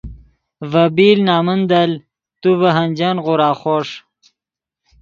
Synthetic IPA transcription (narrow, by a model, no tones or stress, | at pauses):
vɐbiːlnaːmənd̪ɐl | t̪uvɐɦɐnd͡ʑanʁuɾaːχoʂ